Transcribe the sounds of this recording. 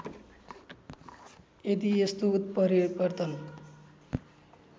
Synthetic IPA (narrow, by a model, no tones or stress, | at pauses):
ed̪iest̪out̪̚pʌɾibʌrt̪ʌn